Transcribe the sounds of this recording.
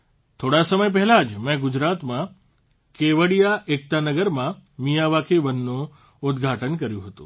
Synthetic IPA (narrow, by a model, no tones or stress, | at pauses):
t̪ʰoɽasəməjp̬ɛɦɛlad͡ʒmɛ̃ɡʊd͡ʒɾat̪mã | keʋəɽijaʔek̚t̪anəɡəɾmãmijaʋakʰeʋənːũ | ʊd̪ɡʱaʈənkəɾjũɦət̪ṵ̃